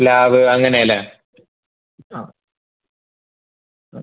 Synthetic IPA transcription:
laːʋɨɐŋːɐnejɐlːɐ | aː

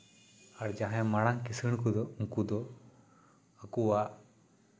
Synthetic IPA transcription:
aɽd͡ʒaɦɛmaɽaŋkisɨɳkud̪ɔuŋkud̪ɔ | əkuwaʔ

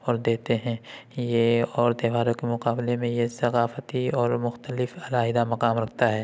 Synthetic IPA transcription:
ɔːɾd̪eːt̪eɦɛ̃jeɔːɾd̪eʋaːɾõkemʊqaːblemẽjesɐqaːfət̪iɔːɾmʊxt̪əlɪfɐlaːɦɪd̪amɐqaːmɾɐk̚ʰt̪aɦɛː

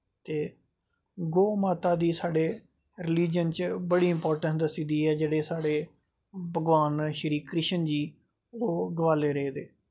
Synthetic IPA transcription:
t̪eː | ɡoːmaːt̪aːd̪iːsaːɖeː | ɾɪliːd͡ʒənt͡ʃbəɽiːɪmpɔːɾʈə̃ɳʈd̪əsiːd̪iːɦɛːd͡ʒeːɽeːsaːɽeː | bʱəɡʋaːnʃəɾiːkɾɪʃənd͡ʒiː | oːɡəʋaːleːɾəeːd̪eː

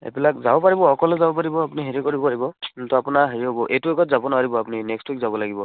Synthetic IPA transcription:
ḛbilakzabɔpaɹibɔɔkɔlɛzabɔp̬aɹibɔapuniɦeɹikɔɹibɔaibɔtɔapunaɦeɹiɦɔbɔʔejtuɛɡɔtzabɔnaaɹibɔapuninɛkstwikzabɔlaɡibɔ

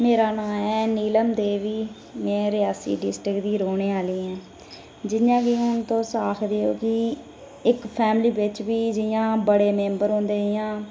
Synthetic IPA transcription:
meːɾaːnãːɛːniːləmd̪eːʋiː | mɛ̃ːɾɪjaːsḭːɖɪsʈɾɪkd̪iːɾoːneːaːliːɛ̃ː | d͡ʒɪnjãːkiːɦʊnt̪õːsaːkʰd̪eːoːkɪ | ɪkpʰɛːmliːbɪt͡ʃʋiːd͡ʒɪjãːbəɽeːmẽːmbəɾɦõːnd̪eːjãː

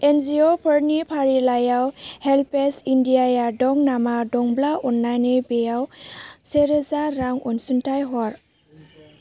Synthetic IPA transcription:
enziopʰɔɾnipʰaɾilajawhelpesindiajadɔŋnamadɔŋblaɔnːajnebejawseɾezaɾaŋɔnsuntʰajɦɔɾ

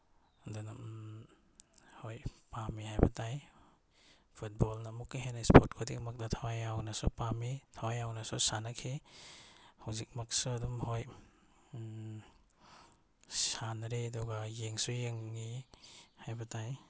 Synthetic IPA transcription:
aduna | hojpamihajbɐtaj | pʰut̚bɔlnamukːiɦenaspʰot̚kʰodikmak̚datʰawajawnɐsṵpamitʰawajawnɐsusanakʰi | hawzik̚mak̚suɐdumhoj | sanɾeɐdɔɡajeŋsujeŋːi | hajbɐtaj

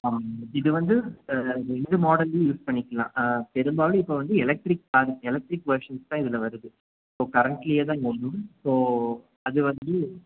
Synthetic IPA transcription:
aːmɪðɯʋɐnd̪ɯɾɛɳɖɯmoːɽɐljuːspɐɳːɪkːɐlã̰ːt̪ɛɾɯmbaːʋɐlɯɪpːoːʋɐnd̪ɯɛlɛk̚ʈɾɪk̚paːɾɯɛlɛk̚ʈɾɪkːʋɐɾʂɐnst̪ãːɪðɪlɐʋɐɾɯðɯ | soːkɐɾɐɳʈlɪjeːt̪̬ãːɪŋɡɐʊnːɯsoː | ɐðɯʋɐnd̪ɯ

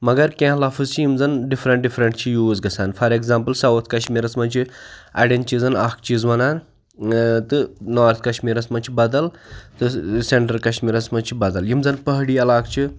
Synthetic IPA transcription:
mɐɡɐɾkʲẽɦlafʰɨzt͡ʃʰijimd͡zɐnɖifɾɐɳʈ̚ɖifɾɐɳʈt͡ʃʰijuːzɡɐsaːnfʰɐɾeɡzaːmpəlsɐwt̪ʰkɐʃmiːɾɐsmɐnt͡ʃʰiɐ̰ɖent͡ʃizɐnɐkt͡ʃizʋɐnaːn | t̪ɨnɔːɾt̪ʰkɐʃmiːɾɐsmɐnt͡ʃʰibɐd̪ɐlt̪ɨseɳʈɐɾkɐʃmiːɾɐsmɐnt͡ʃʰibɐd̪ɐljimzɐnpɐɦɽiːɐlaːkt͡ʃʰi

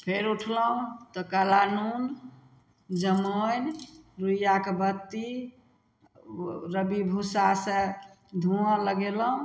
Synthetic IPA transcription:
pʰeɾuʈʰləɦũt̪ɔkalanun | d͡ʒəmonɾujakebət̪ːi | ɾəbibʱusasə̃ | d̪ʱuə̃ləɡeləũ

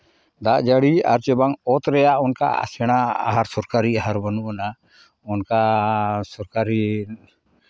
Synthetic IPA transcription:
d̪aʔd͡ʒaɽia̰ɾt͡ʃɔbaŋɔt̪ɾɛjaʔɔnka̰a̰sɛɽ̃aa̰ɦaɾsɔɾkaɾiaɦaɾbanuʔana | ɔnkasɔɾkaɾi

